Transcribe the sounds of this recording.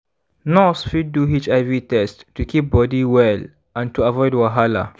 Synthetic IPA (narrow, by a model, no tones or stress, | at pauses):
nɔsfid̚duɦit͡ʃaɪvitɛstːukʰip̚bɔdiwɛl | ãntuavɔɪdwaɦala̰